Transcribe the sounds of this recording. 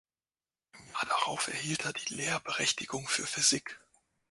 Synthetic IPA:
jad̥aʁaʊfɛ̰ɐhiːltʰeːɐdiːleːɐbəʁɛçtɪɡʊŋfyːɐfʏzɪk

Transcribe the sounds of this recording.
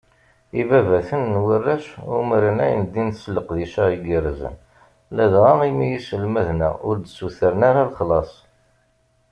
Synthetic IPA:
ivævæθənːwərːæʃumɾənæjə̰nd̪inθsləqðiʃæiɡiɾzə̰n | læðʁɑʁimijisəlmæðnæ̰ʔʊɾd̪suθəɾənaɾalχlɑsˤ

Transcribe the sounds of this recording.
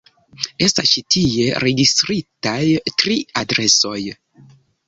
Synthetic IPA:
e̞stast͡ʃitie̞ɾe̞ɡistɾitajtɾiadɾe̞so̞j

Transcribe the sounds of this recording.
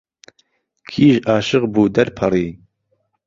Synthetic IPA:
kʰiːʒaːʃɨqbuːd̪ɐɾpʰɐɾiː

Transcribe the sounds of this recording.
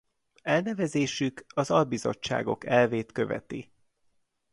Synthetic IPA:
ɛlnɛvɛzeːʃykɒzɒlbizo̞̰t͡ʃːa̰ːɡo̞̰kɛlveːt̪kø̞vɛ̰t̪i

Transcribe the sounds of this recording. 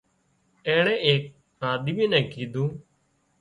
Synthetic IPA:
ɛ̃ːɳ̃ɛ̃ːeːk̚ | aːd̪iʋĩːnɛ̃ːkiːd̪ũː

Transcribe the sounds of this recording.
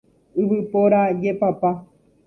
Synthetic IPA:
ɨʋɨpoɾad͡ʒepapa

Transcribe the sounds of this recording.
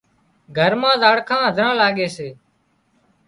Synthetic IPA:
ɡʱəɾmãːzaːɽkʰãːɦəd̪ʱɾãːlaːɠeːseː

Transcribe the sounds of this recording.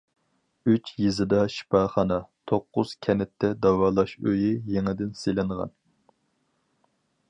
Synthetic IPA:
yt͡ʃjizɪd̪ɑʃi̥pɑːχɑnɑt̪ʰoqːʊz̥kʲʰɛnɛt̪ʰːɛd̪ɑwɑːlˠɑʃø̰jɪjeŋɪd̪ɪnselɪɴʁɑ̰n

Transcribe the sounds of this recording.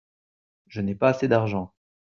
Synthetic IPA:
ʒənɛpaːsed̪aʁʒɑ̃

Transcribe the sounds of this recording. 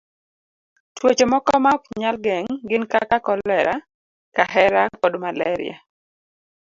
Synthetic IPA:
twot͡ʃemɔkɔmakɲalɡɛŋɡɪnkakakɔlɛɾa | kaɦɛɾakɔdmalɛɾɪ̰a̰

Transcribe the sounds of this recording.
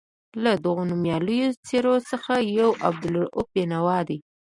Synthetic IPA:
lad̪əɣonumjɑləjot͡seɾosəxajawʔa̰b̚d̪ʊlʊp̚jenawɑd̪e

